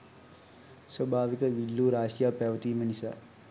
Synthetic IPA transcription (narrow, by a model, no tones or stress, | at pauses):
swɐbʱaːʋikɐʋilːuːɾaːsjaːpɐʋɐt̪iːmɐnisa̰